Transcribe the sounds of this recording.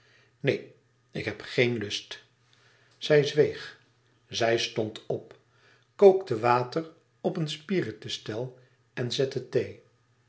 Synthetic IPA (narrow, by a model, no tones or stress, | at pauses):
nej | ɪkɦɛpχejnlɵst | z̥ɛjzʋejχ | zɛjstɔntɔp | kowktəʋaːtər | ɔpənspiːrətəstɛlˠ | ɛnzɛtətej